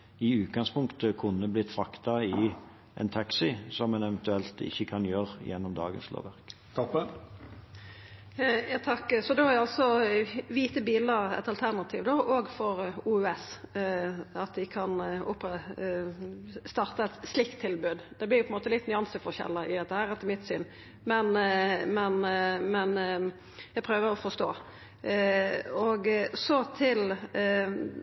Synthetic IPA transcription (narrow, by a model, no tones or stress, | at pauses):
ɪʉːt̪̚ɡɑŋspʰʊŋkt̪əkʰʊnːəblɪt̪fʁɑkt̪ɑɪ | ʔɛ̰nt̪ʰɑksɪsɔmːɛnɛʋɛnt̪ʉɛlt̪ʰɪ̰çːəkʰɑnjøːɾjɛnːɔmd̪ɑ̰ːɡə̰nslo̰ːʋæʁk | t̪ʰɑk | jɑt̪ʰɑkːfɔd̪ɛɔɑlsɔʋiːt̪əbiːləɛ̰t̪ɑlt̪ʰæʁnɑt̪ʰḭːʋd̪oːʔoːɡfɔʁuːʉːɛs | ɑt̪d̪ɪkʰɑnʊpɛ | st̪ɑɾt̪əɛt̪slɪkt̪ʰːɪlbʉːd̪d̪ɛblɪɾjʊpʰɛnmoːt̪əlɪt̪nʏɑnsəfɔʁçɛ̰lːɑʔɪ̰d̪ɛt̪ːəhæːɾɛt̪ːəmɪt̪sy̰ːn | mɛnmɛnmɛn | jæɪpʰɾøːʋəɾɔfɔst̪o̰ː | ɔɡsɔt̪ʰɪl